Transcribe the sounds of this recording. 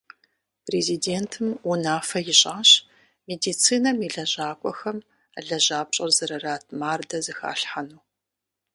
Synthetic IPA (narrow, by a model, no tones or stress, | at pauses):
pʰreziːdeːntʰɨmunaːfɐjɪɕʼaːɕ | meːdiːt͡sʰiːnɐmiɮɐʑaːkʷʼɔ̰xɐm | ə̰ɮɐʑaːpɕʼɐrzɨɾɐraːtʰmaːrdɐzɨxa̰ːɬħanuː